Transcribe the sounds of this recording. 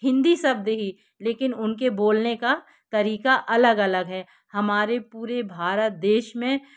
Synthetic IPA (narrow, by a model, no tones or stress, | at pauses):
ɦɪ̃nd̪isɐb̚d̪eɦi | leːkɪnʊnkeboːlneka | t̪ɐɾiːkaʔɐləɡɐləɡɦɛː | hɐmaːɾepuːɾebʱaːɾət̪̚d̪eːʃmẽ